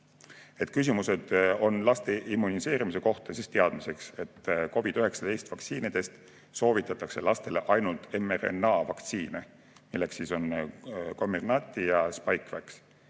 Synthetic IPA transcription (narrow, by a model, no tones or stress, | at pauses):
e̞t̪kys̬imuse̞d̪̥o̞nlɑst̪e̞ʔimːunise̞ːɾimise̞ko̞ht̪ɑsist̪e̞ɑd̪̥mise̞kse̞t̪ːko̞b̥id̪yɦe̞ksɑt̪e̞jst̪vɑk̪siːnid̪̥e̞st̪ | so̞ːvit̪ːˑɑt̪ːˑɑkse̞lɑst̪e̞le̞ʔɑjnult̪e̞meɾḛnːɑvɑkt̪siːne | milːe̞ksːiso̞nko̞mːernɑt̪ʲˑːijɑspɑjkvæks